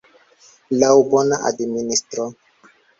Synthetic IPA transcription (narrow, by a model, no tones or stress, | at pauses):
lawbonaʔa̰dministɾo